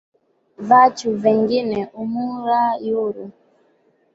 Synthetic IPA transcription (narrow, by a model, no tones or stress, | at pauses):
vat͡ʃuvɛŋɡinɛʔumuɾajuɾu